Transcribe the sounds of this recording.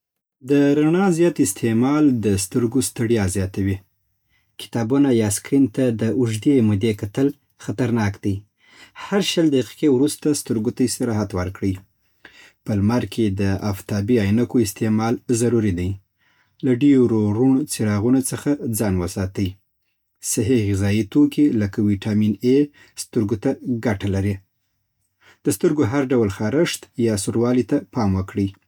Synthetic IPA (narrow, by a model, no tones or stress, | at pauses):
d̪əɾaɳɑzjɑt̪ɪst̪ʰemɑld̪əst̪əɾɡost̪əɽjɑzjɑt̪awi | kɪ̥t̪ɑbunajɑskɾint̪ad̪əʔʊʒd̪emʊd̪ekat̪əl | xat̪aɾnɑkd̪aj | haɾʃəld̪ahaqi̥kewɾust̪ast̪əɾɡot̪ajesaɾɑɦat̪wəɾkɽəj | pəlmaɾkʰed̪əaft̪ɑbiɑjnakoɪst̪emɑlzaɾuɾid̪aj | laɖeɾoɾunot͡seɾɑɣunat͡səxad͡zɑnwəsɑt̪əj | sɪɦeɣɪzɑjit̪okelakawiʈɑmine | st̪əɾɡot̪aɡaʈalaɾi | d̪̥əst̪əɾɡoɦaɾɖawlxɑɾəʂt̪jɑsuɾwɑlit̪apɑmwəkɽi